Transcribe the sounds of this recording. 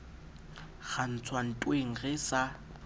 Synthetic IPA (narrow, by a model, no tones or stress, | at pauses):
ɣʰan̩t͡sʰwan̩tʼweŋ̩ɣɪsa